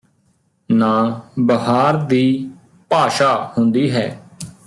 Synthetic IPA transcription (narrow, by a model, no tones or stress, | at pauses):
nãːbəɦaːɾd̪iː | paːʃaːhʊ̃nd̪iːɦɛː